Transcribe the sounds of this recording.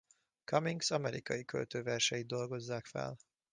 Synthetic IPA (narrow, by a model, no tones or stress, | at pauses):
kɒmiŋɡsɒmɛɾikɒjikø̰lt̪øːvɛrʃɛjid̪o̞lɡo̞zːaːkfɛ̰l